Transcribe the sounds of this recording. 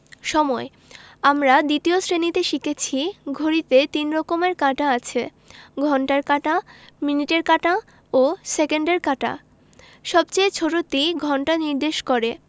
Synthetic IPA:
ʃɔmɔe | amɾad̪it̪iosɾenit̪eʃiket͡ɕʰiɡʱoɾit̪et̪inɾɔkomeɾkaʈaat͡ɕʰe | ɡʱɔɳʈaɾkaʈaminiʈeɾkaʈa | osekeɳɖeɾkaʈa̰ | ʃɔbt͡ɕejt͡ɕʰoʈot̪iɡʱɔɳʈaniɾd̪eʃkoɾe

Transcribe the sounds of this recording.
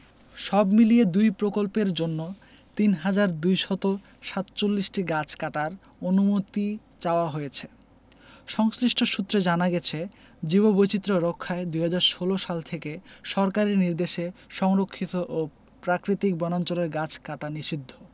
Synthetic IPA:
ʃɔbmilied̪ujpɾokolpeɾd͡ʑonːo | t̪inɦad͡ʑaɾd̪ujʃɔt̪o | ʃat̪t͡ɕolːisʈiɡat͡ɕʰkaʈaɾ | onumot̪i | t͡ɕaoaɦojet͡ɕʰe | ʃɔŋsɾiʃʈʰoʃut̪ːɾed͡ʑanaɡɛt͡ɕʰe | d͡ʑibobojt͡ɕit̪ːɾoɾokʰːaed̪ujɦad͡ʑaɾʃoloʃalt̪ʰekeʃɔɾkaɾiniɾd̪eʃeʃɔŋɾokʰːit̪oʔo | pɾakɾit̪ik̚bɔnant͡ɕoleɾɡat͡ɕʰkaʈaniʃid̪ʱːo

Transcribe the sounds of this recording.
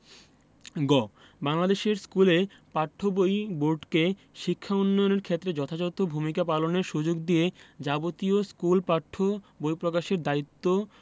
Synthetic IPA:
ɡɔ | baŋlad̪eʃeɾskule | paʈʰːobojboɾɖke | ʃikʰːaunːɔjoneɾkʰet̪ːɾed͡ʑɔt̪ʰad͡ʑot̪ːobʱumikapaloneɾʃud͡ʑoɡd̪ijed͡ʑabot̪ioskulpaʈʰːobojpɾokaʃeɾd̪ait̪ːo

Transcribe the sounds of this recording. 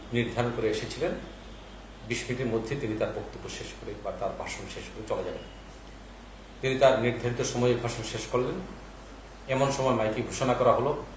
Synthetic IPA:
niɾd̪ʱaɾonkoɾeeʃet͡ɕʰilen | biʃmiʈiɾmod̪ʱːet̪init̪aɾbokt̪obːoʃeʃkoɾebat̪aɾbʱaʃonʃeʃkoɾet͡ɕolad͡ʑaben | t̪init̪aɾniɾd̪ʱaɾit̪oʃɔmɔjeɾbʱaʃonʃeʃkoɾlen | ɛmonʃɔmɔemajkiɡʱoʃonakɔɾaɦolo

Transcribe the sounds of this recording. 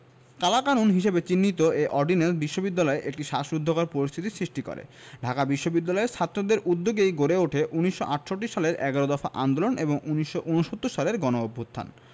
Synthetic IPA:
kalakaɾunɦiʃebet͡ɕinːit̪oʔeʔɔɾɖinesbiʃːobid̪ːalɔeʔek̚ʈiʃaʃɾud̪ʱːokaɾpoɾist̪ʰit̪isɾiʃʈiko̰ɾḛ | ɖʱakabiʃːobid̪ːalɔeʃʰat̪ːɾod̪eɾʔud̪ːoɡejɡoɾeoʈʰeʔuniʃːoʔaʈʃoʈːiʃaleɾɛɡaɾod̪ɔfaʔa̰nd̪oloneboŋuniʃːoʔunoʃot̪ːuɾʃaleɾɡɔnoobʱːut̪ʰːa̰n

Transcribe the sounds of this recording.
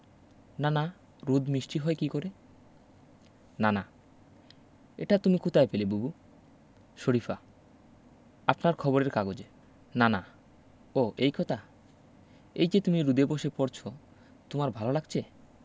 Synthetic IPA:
nana | ɾud̪ʱmiʃʈiɦɔekikoɾe | nana | ḛʈat̪umikut̪aepelebubu | ʃoɾifa | apnaɾkʰɔboɾeɾkaɡod͡ʑe | nana | oʔejkʰɔt̪ʰa | ejd͡ʑet̪umiɾud̪eboʃepoɾt͡ɕʰo | t̪omaɾbʱalolaɡt͡ɕʰe

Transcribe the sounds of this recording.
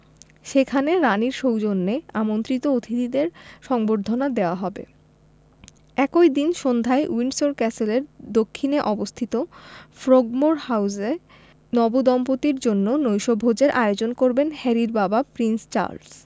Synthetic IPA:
ʃekʰaneɾaniɾʃowd͡ʑonːeamont̪ɾit̪oot̪ʰit̪id̪eɾʃɔŋboɾd̪ʱːonad̪eoaɦɔbḛ | ɛkojd̪inʃond̪ʱaeuinsoɾkɛseleɾd̪okʰːineʔɔbost̪ʰit̪ofɾoɡmoɾhawze | nɔbod̪ɔmpot̪iɾd͡ʑonːonojʃobʱod͡ʑeɾʔajod͡ʑonkoɾbenhɛɾiɾbabapɾinst͡ɕa̰ɾls

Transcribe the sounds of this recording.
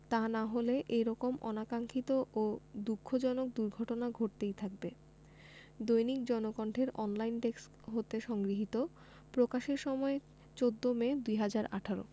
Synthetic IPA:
t̪anaɦoleʔeɾɔkomʔɔ̰nakaŋkʰit̪oʔod̪ukʰːod͡ʑɔnok̚d̪uɾɡʱɔʈonaɡʱoʈ̚t̪ejt̪ʰak̚be | d̪ojnikd͡ʑɔnokɔɳʈʰeɾɔnlajnɖeks | ɦot̪eʃɔŋɡɾiɦit̪o | pɾokaʃeɾʃɔmɔe | t͡ɕod̪ːomed̪ujɦad͡ʑaɾa̰ʈʰaɾo̰

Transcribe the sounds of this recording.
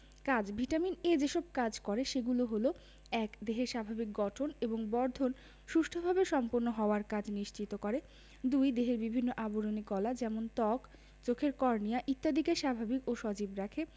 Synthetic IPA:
kad͡ʑbʱiʈamined͡ʑeʃɔb̚kad͡ʑkɔɾeʃeɡuloɦolo | ɛkd̪eɦeɾʃabʱabik̚ɡɔʈʰoneboŋbɔɾd̪ʱon | ʃuʃʈʰobʱabeʃɔmpoɾnoɦɔoaɾkad͡ʑniʃt͡ɕit̪okɔɾe | d̪ujd̪eɦeɾbibʱinːoʔaboɾonikɔlad͡ʑɛmont̪ɔk | t͡ɕokʰeɾkɔɾnijaʔit̪ːad̪ikeʃabʱabikoʃɔd͡ʑibɾakʰe

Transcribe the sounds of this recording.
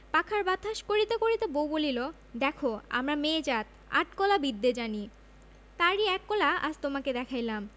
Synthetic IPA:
pakʰaɾbad̪ʱːaʃkoɾit̪ekoɾit̪ebowbolilo | d̪ɛkʰoa̰mɾameːd͡ʑat̪ | a̰ʈkɔlabid̪ːed͡ʑani | t̪aɾiɛkːɔlaa̰d͡ʑt̪omaked̪ɛkʰajlam

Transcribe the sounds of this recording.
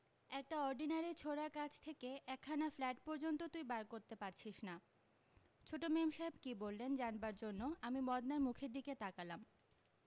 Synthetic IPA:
ɛk̚ʈaɔɾɖinaɾiɾt͡ɕʰoɾakat͡ɕʰt̪ʰekeʔɛkʰːanaflɛʈ̚pɔɾd͡ʑont̪ot̪uibaɾkoɾt̪epaɾt͡ɕʰiʃna | t͡ɕʰoʈomemʃaebkibolːend͡ʑanbaɾd͡ʑonːoamimɔd̪naɾmukʰeɾd̪iket̪akalam

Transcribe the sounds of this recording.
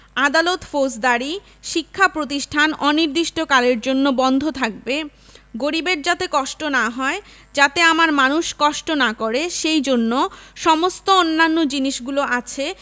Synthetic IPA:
ad̪alot̪fos̬d̪aɾi | ʃikʰːapɾot̪̬iʃʈʰanɔniɾd̪iʃʈokaleɾd͡ʑonːobɔnd̪ʱot̪ʰak̚be | ɡoɾibeɾd͡ʑat̪ekɔʃʈonaɦɔe | d͡ʑat̪eamaɾmanuʃkɔʃʈonakoɾeʃejd͡ʑonːoʃɔmost̪oonːanːod͡ʑiniʃɡuloʔat͡ɕʰe

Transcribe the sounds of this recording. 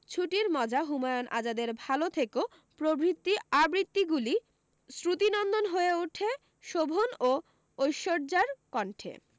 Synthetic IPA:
t͡ɕʰuʈiɾmɔd͡ʑʱaɦumajonʔa̰d͡ʑad̪eɾbʱalot̪ʰekeo | pɾobɾit̪ːiabɾit̪ːiɡuli | sɾut̪inɔnd̪onɦoeuʈʰe | ʃobʱono | ojʃoɾd͡ʑaɾkɔɳʈʰḛ

